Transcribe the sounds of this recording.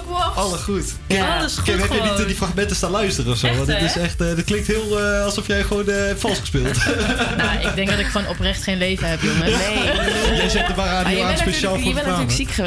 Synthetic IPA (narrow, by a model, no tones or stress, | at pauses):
ɑləχut | kdkɛɛɛitdifraxmɛntəstaːlœɥstərəɔfsowdɔtɪsɛχtədɪt̚klɪŋktɦɪːlˠəɑlˠsɔfjɛjχəʋownəfɑlˠsχə̥spɪlˠtnaʔɪɡdɛŋɡ̚dɑtɪkχʋonʔɔprɛχtχejnlejvəɦɛpjɪlˠmɛnojɛzɛtdəparaːdioanspejʃaːlˠfʊaəksikχə